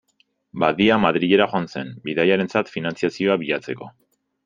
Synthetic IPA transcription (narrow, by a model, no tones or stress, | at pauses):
baðiamaðɾiɣe̞ɾaxoanse̞mbiðajaɾe̞nt͡sat̪finant͡siasio̞aβiʎat͡se̞ko̞